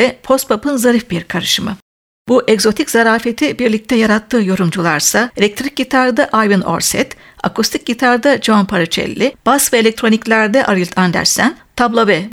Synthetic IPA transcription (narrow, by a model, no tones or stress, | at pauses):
ɛpʰo̞st̪̚pʰapʰɯnzaɾifbiɾkʰaɾɯʃɯmɯ | buʔɛɡzo̞t̪ʰiczaɾaːfet̪ʰibiɾlʲic̚t̪ʰɛjaɾat̪ʰːɯːjo̞ɾumd͡ʒulˠaɾsaelʲɛk̚t̪ʰɾic̚ɟit̪ʰaɾd̪aʔajvɯno̞̰ɾsɛ̰t̪ | a̰kust̪ʰic̚ɟit̪ʰaɾd̪ad͡ʒoanpʰaɾɯt͡ʃʰɛ̰lʲːib̥asvɛelʲɛk̚t̪ɾo̞niclʲæɾd̪ɛʔaɾɯlʲˠt̪ʰand̪æ̰ɾsænt̪ʰablˠovɛ